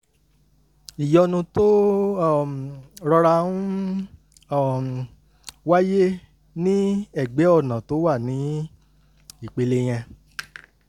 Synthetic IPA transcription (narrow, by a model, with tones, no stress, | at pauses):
i˨jɔ˧nũ˧to˦˨ | ɾɔ˧ɾa˧ũ˦˨ | wa˦je˦ | nĩ˦ɛ˦˨ɡ͡be˨˦ɔ˦˨nã˨to˨˦wa˦˨nĩ˨˦ | i˦˨k͡pe˧le˦j̃ɛ̃˧